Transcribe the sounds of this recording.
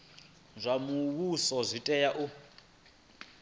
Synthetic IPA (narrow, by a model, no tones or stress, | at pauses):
zʷamuɣusɔzʷitʼɛjaʔu